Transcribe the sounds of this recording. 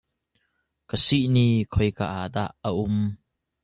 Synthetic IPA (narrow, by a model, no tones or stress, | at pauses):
kəsiʔnikʰɔjkaʔaːd̪aʔːəʔʊm